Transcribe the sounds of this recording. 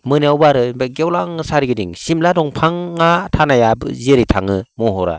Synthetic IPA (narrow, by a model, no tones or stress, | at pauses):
mɯniawbaɾɯbaɡewlaŋsaɾiɡɯdiŋsimladɔŋpʰaŋːatʰanajabziɾitʰaŋɯmɔɦɔɾa̰